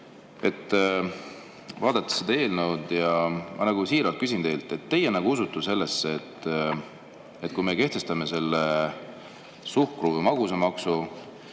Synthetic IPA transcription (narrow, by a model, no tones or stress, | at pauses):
e̞t̪ː | vɑːd̪̥ɑt̪ːˑe̥sed̪̥ɑe̞ːlnewd̪̥jɑmʔɑ̰nɑɡ̥usiːɾɑlt̪kys̬int̪e̞jlt̪ːˑe̞t̪ːe̞jenæɡuusut̪ːuse̞lːe̞sːeet̪ː | et̪kujmeke̞ht̪e̞st̪ɑme̞se̞lːe | suhkruvɨjmɑɡusemɑksu